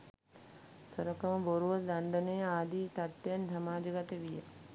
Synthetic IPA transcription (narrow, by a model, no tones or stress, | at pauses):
səɾɐkɐməboɾuʋəd̪aɳɖənejaːd̪iːt̪at̪ːjansɐmaːd͡ʒɐɡat̪eʋijə̰